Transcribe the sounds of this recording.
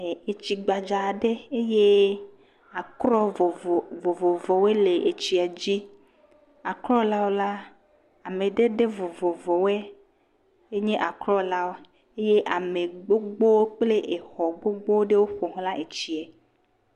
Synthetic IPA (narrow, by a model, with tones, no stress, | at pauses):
e˨e˨t͡ɕi˨ɡ͡ba˨d͡ʒa˨ɖe˦e˦je˦ | a˨kɾɔ˦ɔ˨vo˨vɔ˨vɔ˨we˦le˨e˨t͡ɕi˨a˨d͡ʑi˦ | a˨klɔ˦la˦wo˦la˦ | a˨mẽ˨ɖe˦ɖe˦vo˨vɔ˨vɔ˨wɛ˦ | e˦ɲẽ˦ʔa˨klɔ˦la˦wo˦ | e˦je˦ʔa˨me˨ɡ͡bo˦ɡ͡bo˦wo˦k͡ple˦ʔe˨xɔ˨ɡ͡bo˦ɡ͡bo˦ɖe˦wo˦ɸo˨ɦla˦ʔe˨t͡ɕi˨ɛ˨